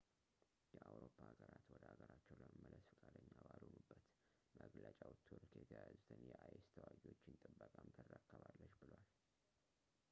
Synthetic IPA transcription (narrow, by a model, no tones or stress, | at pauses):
jɛʔawɾopʰːahːɡəɾat̪wɔd̪əhaɡəɾat͡ʃːɛwləməmːələsfɨkʼad̪əɲːabalonubːət̪ | məɡlət͡ʃʼawt̪ʰuɾkjɛt̪ʰəjazut̪ʰɨnjɛʔajst̪ʰəwaɡiwo̞t͡ʃːɪnt̪ʼɨbːəkʼamt̪ʰərːakːəβalːəʃbɨlwal